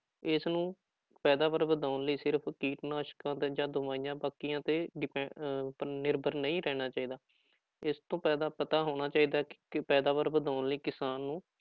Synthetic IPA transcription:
ɪsnũː | pɛːd̪aːʋəɾbəd̪aːnləiːsɪɾpʰkiːʈnaːʃkãːt̪ːd͡ʒãːd̪ʊmaːijãːbaːkijãːt̪eːɖɪpɛ | nɪɾbəɾnəĩːɾɛːñaːt͡ʃaːiːd̪aː | ɪst̪õːpɛːd̪aːpət̪aːɦoːɽ̃aːt͡ʃaːiːd̪aːkpɛːd̪aːʋəɾbəd̪aːʊnliːkɪsaːnːũː

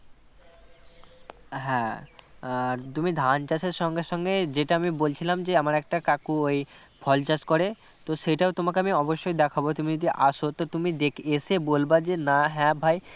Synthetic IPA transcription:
ɦɛ̃ | t̪umid̪ʱant͡ɕasʰeɾʃɔŋɡeʃɔŋɡed͡ʑeʈaamibolt͡ɕʰilamd͡ʑeamaɾɛk̚ʈakakuoj | pʰɔlt͡ɕaskoɾe | t̪oʃeʈaot̪omakeamiɔboʃːojd̪ɛkʰabot̪umid͡ʑod̪iʔaʃot̪ot̪umid̪ekʰeʃebolbad͡ʑenaɦɛ̃bʱaj

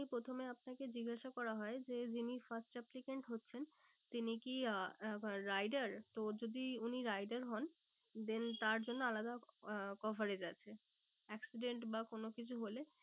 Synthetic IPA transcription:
ipɾot̪ʰomeap̚naked͡ʑiɡaʃakɔɾaɦɔed͡ʑed͡ʑinifasʈɛplikeɳʈɦotːɕʰen | t̪inikiː | ajɖaɾt̪od͡ʑod̪iuniɾajɖaɾɦɔn | d̪ent̪aɾd͡ʑonːoalad̪akɔfoɾed͡ʑatːɕʰe | ɛksiɖeɳʈbakonokit͡ɕʰuɦole

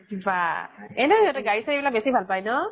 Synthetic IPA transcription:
baɛnɛiɦɔtɛɡaɹisaɹibilak̚besibʱalpajnɔ

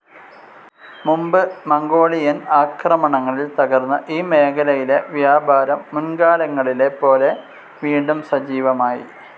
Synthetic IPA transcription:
mumbɨmɐŋɡo̞ːɭijɐnaːkrɐmɐɳɐŋːɐɭilt̪ɐɣɐrnːɐʔiːme̞ːkʰɐlɐjile̞ʋjaːbʱaːɾɐmːunɡaːlɐŋːɐɭile̞pːo̞ːle̞ | ʋiːɳɖumsɐd͡ʑiːʋɐmaːjḭ

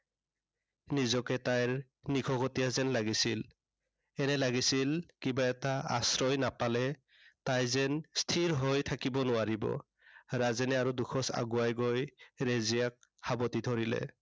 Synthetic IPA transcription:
nizɔkɛtajɹ | nikʰɔɡɔtijazɛnlaɡisil | ɛnɛlaɡisilkibaɛtaa̰sɹɔjnapalɛ | tajzɛnstʰiɹɦojtʰakibɔnʊaɹibɔ̰ | ɹazɛnɛaɹuduxʰɔsa̰ɡuajɡojɹezijak̚habɔtidʱɔɹilɛ̰

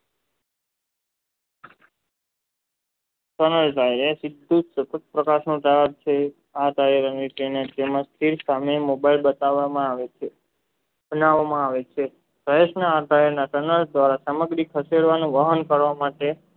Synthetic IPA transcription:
ʈənəlʈ̪ajɾesɪd̪ʱːũsət̪ət̪̚pɾəkaʃnũʈajəɾt͡ʃʰe | aʈ̪aiɾanitened͡ʒemãst̪ʰiɾsamemobailbət̪aʋamãaʋet͡ʃe | bənaʋamãaʋet͡ʃʰe | səjeʃnaːd̪aəɾnaʈənəld̪ʋaɾasəməɡɾikʰəseɽʋanũʋəɦənkəɾʋamaʈe

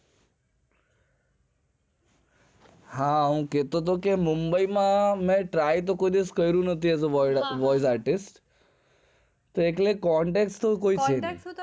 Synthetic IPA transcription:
hãɦũket̪õt̪̬okemumbəimãmɛ̃ʈɾajt̪̬okoid̪eskəjɾũnət̪iazəʋɔjs̬aɾʈɪsʈ | t̪oeklekɔɳʈekst̪okoit͡ʃʰene

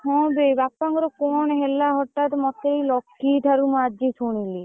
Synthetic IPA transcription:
kʰɔ̃bebapːaŋɡɾɔkonɦelːaɦɔʈːat̪mɔt̪ːejlɔkːiʈ̪ʰaɾumad͡ʒisʰuɽ̃ili

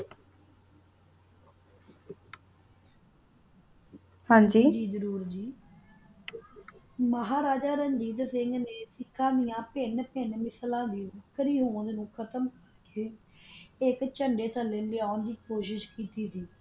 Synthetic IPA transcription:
hãːd͡ʒiːd͡ʒiːzəɾuːɾd͡ʒiː | məɦaːɾaːd͡ʒaːɾəɲd͡ʒiːd̪sɪŋɡneːsɪkʰːãːd̪ɪjãːpɪnpɪnmɪslãːd̪iːbəkʰːəɾiːɦoːnd̪nũːkʰət̪əmkəɾkeː | ɪkt͡ʃəɳɖeːt̪ʰəlːẽːlɪaːʊnd̪iːkoːʃɪʃkiːt̪iːsiː

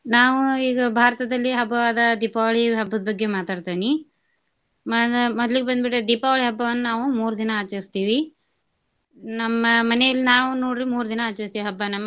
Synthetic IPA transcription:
naːʋuiːɡɐbʱaːɾɐt̪ɐd̪ɐlːiɦɐbʱɐʋaːd̪ɐd̪iːpaʋɐɭiɦɐbːɐd̪ɐbɐɡːemaːt̪aːɽt̪aːni | mɐmɔd̪ɐliɡebɐnd̪biʈed̪iːpaʋɐɭiɦɐbːɐʋɐnːunaːʋumuːɾud̪inɐaːt͡ʃɐɾist̪iːʋi | nɐmːɐmɐnɛjɐlːinaːʋunoːɽɾimuːɾud̪inɐaːt͡ʃɐɾist̪iːʋiɦɐbːɐnɐmːɐ

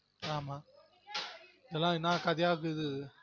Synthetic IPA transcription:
aːmaː | ɪðɛlːãːɪnːãːkɐðɪjaːkɯðɯ

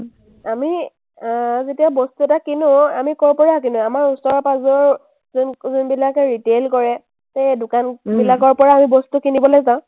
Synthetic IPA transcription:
ami | zetiabɔstuɛtakinʊamikɔɹpɔɹak̬inʊamaɹusɔɹɔpazɔɹ | znzɔnbilakɛɹitelkɔɹɛ | tejdʊkanbilakɔɹpɔɹaːmibɔstukinibɔlajzãʊ̃

